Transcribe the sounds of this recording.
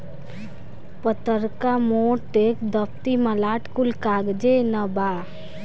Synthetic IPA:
pət̪əɾkamoʈekd̪əp̚t̪iməlaːʈkulkaɡd͡ʒenəbaː

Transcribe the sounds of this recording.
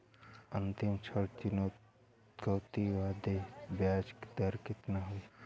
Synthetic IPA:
ənt̪ɪmt͡ʃʰəɽt͡ʃino | ɡəwt̪iʋaːd̪ebjaːd͡ʒkd̪əɾkɪt̪naɦoi

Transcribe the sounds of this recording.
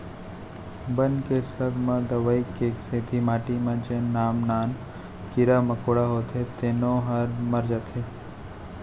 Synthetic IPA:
bənkesəɡmãd̪əʋəikːeːkseːt̪ʰimaːʈimãt͡ʃenaːmnaːn | kiɾamɐkoːɽaɦoːt̪ʰet̪eːnõɦɐɾmɐɾd͡ʒat̪ʰeː

